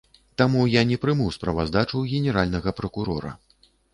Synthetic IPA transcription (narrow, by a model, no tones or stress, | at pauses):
t̪amujanʲɛpɾɨmɨwspɾɐvazd̪at͡ʂuwɣʲɛnʲɛɾalʲnɐɣɐpɾɐkuɾɔɾɐ̰